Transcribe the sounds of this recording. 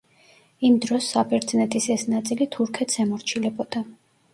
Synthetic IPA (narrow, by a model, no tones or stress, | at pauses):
imd̪ɾɔsːapʰɛɾd̪snɛt̪ʼisɛsnat̪sʼilit̪ʰuɾkʰɛt̪ʰsɛmɔɾt͡ʃʰilɛbɔd̪̥a